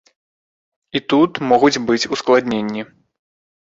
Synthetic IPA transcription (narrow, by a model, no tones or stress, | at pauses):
it̪ut̪mɔɣud͡zʲbɨt͡sʲusklˠad̪ʲnʲenʲːi